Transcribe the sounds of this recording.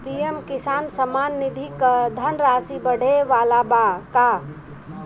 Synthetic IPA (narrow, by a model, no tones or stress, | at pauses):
pijemkisansəmanːid̪ʱikəd̪ʱənɾasibəɽ̤eʋalabaka